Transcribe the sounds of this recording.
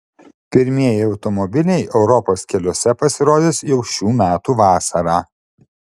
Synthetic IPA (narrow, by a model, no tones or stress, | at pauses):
pʲɪɾʲmʲiɛjɪɐʊt̪ɔmɔbʲɪlʲɛɪʔɛʊɾɔpoːskʲɛlʲoɔsʲɛpɐsʲɪɾoːd̪ʲeːsjɛʊʃʲuːmʲæːt̪uːʋɑːsɐɾɑː